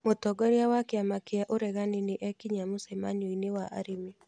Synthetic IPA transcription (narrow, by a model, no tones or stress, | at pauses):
motɔɡɔɾjawakeamakeaʔoɾɛɣaneneʔɛkiɲamosɛma̰ɲoinewaʔa̰ɾimi